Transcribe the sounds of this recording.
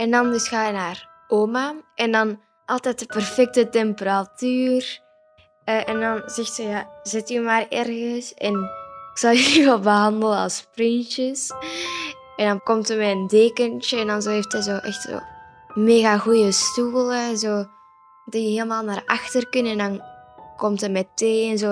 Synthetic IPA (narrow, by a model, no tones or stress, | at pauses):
ɛndɑndəsxaːjənaːr | oːmaʔɛndɑn | ʔɑlˠtɛjt̚dəpɛrfɛk̚tətɛmpəɾatyːr | əʔɛndɑnzɛxtsəjaːzɪtymaːrɛrɣəsɛnɪksɑlˠyyʋɛlˠbəɦɑndələnɑ̰lˠsprɪnt͡ʃəs | ɛndɑnkɔmtəmɛəndeːkənt͡ʃəɛndɑnzoːɦeftɛzoːʔɛxtso̰ː | meːɣaɣujəstuːlˠəzoː | diəɦeːlˠəmaːlˠnaːrɑxtərkənəɛndɑnkɔmtəmɛteːɛnzoː